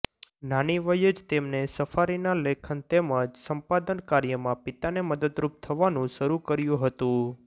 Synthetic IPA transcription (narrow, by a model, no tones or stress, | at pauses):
naniʋəjəd͡ʒt̪emnesəfaɾinalekʰənt̪eməd͡ʒsəmpad̪ənkaɾjəmãpɪt̪aneməd̪əd̪ɾup̚t̪ʰəʋanũʃəɾukəɾjũɦət̪ũ